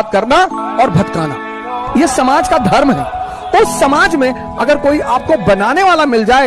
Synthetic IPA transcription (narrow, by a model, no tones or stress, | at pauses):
t̪̚kɐɾnaɔːɾbʱɐkt̪aːna̰ | jesɐmaːd͡ʒkad̪ʱɐɾmɦɛ̰ː | t̪oʊsːɐmaːd͡ʒmẽ | ɐɡəɾkoːiʔaːp̚kobɐnaːneʋaːlamɪld͡ʒaːe